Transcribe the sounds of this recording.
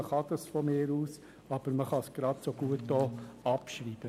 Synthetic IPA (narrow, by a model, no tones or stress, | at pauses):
əχɑd̪ɑsfɔmɪːɾuːs | ɑb̥əɾməχɑsɡ̥ɾɑd̪soɡ̥uətːoːɑpʃɾiːb̥ə